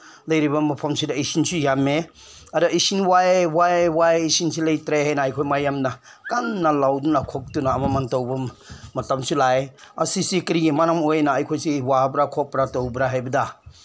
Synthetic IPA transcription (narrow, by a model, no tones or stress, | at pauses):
lɐjɾibɐmɐpʰamsudaejsinsujame | aɾaʔisinwaewawaeisinsilɐjtɾeɦajnaajkʰojmajamna | kanːalawdunakʰɔk̚tunaːmamantɔwbɐmɐtamsulaja̰sisikɾiɡimanamojnaːjkʰojsiwabɾakʰɔp̚ɾatowbɾaɦajbɐda